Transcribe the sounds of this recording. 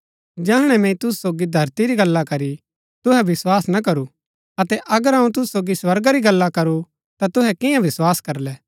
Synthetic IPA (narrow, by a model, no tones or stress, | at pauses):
d͡ʒɛːɦɽ̃ɛmɛ̃ĩt̪ʊsu̥soːɡid̪ʱɐɾt̪iɾiɡɐlːakɐɾi | t̪ʊɦɛʋɪswaːsnɐkɐɾu | ɐt̪ɛʔɐɡəɾɦɐ̃ũt̪ʊsu̥soːɡiswɐɾɡaɾiɡɐlːakɐɾu | t̪at̪ʊɦɛkɪjãʋɪswaːskɐɾlɛː